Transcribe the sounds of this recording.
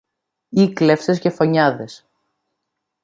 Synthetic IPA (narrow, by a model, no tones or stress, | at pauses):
ikle̞fsesce̞fo̞ɲɐðe̞s